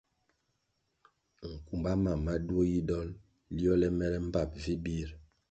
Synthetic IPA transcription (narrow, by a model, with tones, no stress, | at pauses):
ŋ̩˨ku˨mba˦ma˨ma˦du˦o˦ji˦dɔ˦l | li˦ɔ˦lɛ˦mɛ˦ɾɛ˦m̩˦ba˦˨p̚vi˦bi˦ɾ